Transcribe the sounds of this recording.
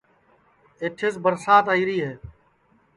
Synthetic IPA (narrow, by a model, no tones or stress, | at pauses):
eʈʰɪsbəɾsaːt̪aːiːɾiːɦeː